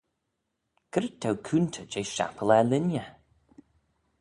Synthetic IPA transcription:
ɡ̥əɾɪt̪ʰawkʰunt̪ʰəd͡ʒejʃa̰pʰəlɛlɪnjə

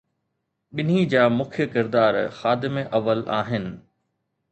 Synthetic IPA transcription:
ɓɪnɦid͡ʑaːmʊkʰjəkɪɾd̪aːɾxaːd̪ɪmeʔɐʋəlaːɦɪnɪ̆

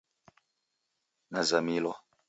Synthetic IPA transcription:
nazamilɔ

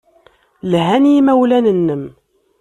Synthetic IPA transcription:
lɦænjimæwlænənːəm

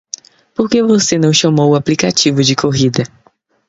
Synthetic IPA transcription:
poɾkevosenɐ̃w̃ʃɐmowʊaplikat͡ʃivʊd͡ʒɪkʰoɦid̪ɐ

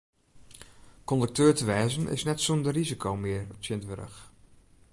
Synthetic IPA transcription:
kɔndək̚tʰøːɹtəʋɛːzənɪ̰snɛtsondərrizikʰowmɪəɹtjɪntʋøɾə̰x

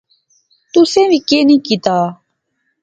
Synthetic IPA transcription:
t̪ʊsẽːʋiːkeːnĩːkit̪aː

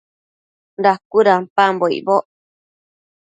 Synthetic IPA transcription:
dakuɾapamboḭboʔ

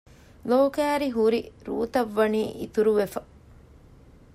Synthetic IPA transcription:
loːkæːɾiɦuɾiɾṵːt̪ɐʋːɐniːʔit̪uɾuʋefɐ

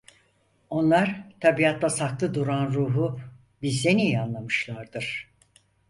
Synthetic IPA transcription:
o̞nlˠaɾt̪ʰabijat̪ʰlasaklˠɯd̪uɾanɾuːɦu | bizːenijanlˠamɯʃlˠaɾd̪ɯɾ̥

